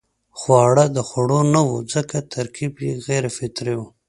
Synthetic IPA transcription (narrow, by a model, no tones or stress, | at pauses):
xwɑɽad̪əxaɽonawud͡zəkat̪ʰaɾkʰibjeɣeɾefɪt̪ɾewu